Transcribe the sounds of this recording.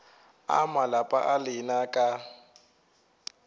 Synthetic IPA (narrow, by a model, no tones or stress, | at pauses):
a̰malapʼa̰ʔalɪnakʼa